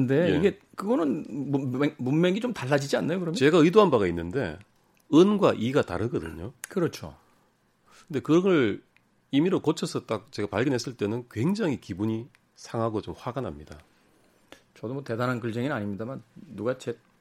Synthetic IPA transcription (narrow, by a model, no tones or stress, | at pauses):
ɯnde̞jeiɡe̞ | kɯɡʌnɯn | munmeɡit͡ɕomtaɭːad͡ʑid͡ʑianːajokɯɾʌmt͡ɕe̞ɡaɯidoɦanbaɡainːɯnde̞̰ | ɯnɡwaʔiɡata̰ɾɯɡʌdɯ̰ɲokɯɾʌt͡ɕʰo̰ | kɯnde̞kɯɡʌɭ | imiɾokot͡ɕʰʌsʰʌt͈ak̚t͡ɕe̞ɡapaɭɡʌnɦe̞s͈ɯɭt͈e̞nɯnkwe̞ŋd͡ʑaŋɦikibuɲi | sʰaŋɦaɡot͡ɕomɸwaɡanɦa̰mɲida̰ | t͡ɕʌdomwʌte̞danɦanɡɯɭd͡ʑeŋinaɲimɲidamanːuɡat͡ɕe